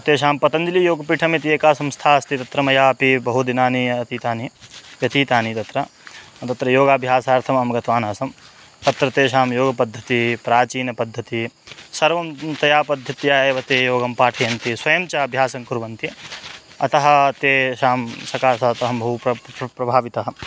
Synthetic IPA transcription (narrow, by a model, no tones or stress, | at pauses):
ɐt̪eːʃ̬aːmpɐt̪ɐnd̪ilijoːɡɐpiːʈʰɐmɐt̪ieːkaːsɐmst̪ʰaːɐst̪it̪ɐt̪ɾɐmɐjaːɐpibɐɦud̪inaːniɐt̪iːt̪aːniʋjɐt̪iːt̪aːnit̪ɐt̪ɾɐt̪ɐt̪ɾɐjoːɡaːbʱjaːsaːɾt̪ʰɐmɐmɐɡɐt̪ʋaːnaːsɐm | t̪ɐt̪ɾɐt̪eːʃaːmjoːɡɐpɐd̪ʱːɐt̪ipɾaːt͡ʃiːnɐpɐd̪ʱːɐt̪isɐɾʋɐmt̪ɐjaːpɐd̪ʱːɐt̪jaːeʋɐt̪eːjoːɡɐmpaːʈʰɐjɐnt̪iswɐjɐmt͡ʃaɐbʱjaːsɐŋkuɾʋɐnt̪i | ɐt̪ɐɦɐ̆t̪eːʃaːmsɐkaːsɐɦɐt̪ɐɦɐmbʱɐɦupɾɐbʱaːʋit̪ɐɦɐ